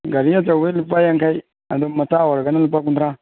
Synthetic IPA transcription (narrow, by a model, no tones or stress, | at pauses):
ɡaɾijat͡sawelupːajaŋkai | a̰domatawaɾɡanalupːak̬undɾa